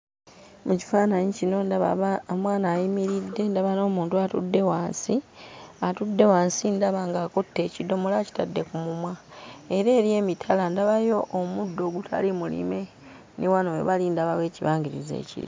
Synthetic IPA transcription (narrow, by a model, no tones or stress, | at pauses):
muci̥faːnaɲicino̞nmwaːnaːjimiɾidːe̞ndaβano̞ːmuːntuatṵdːe̞waːnsiatudːe̞waːnsindaβaŋɡaːkutːe̞ːcido̞molaci̥tadːe̞kumumwae̞ɾe̞ːɾje̞ːmitʰalandaβajo̞ʔːmudːo̞ːɡutʰa̰limulḭme̞ | niwanowḛβalindaβawe̞ːciβaːŋɡiɾḭzḛːcḭlḭ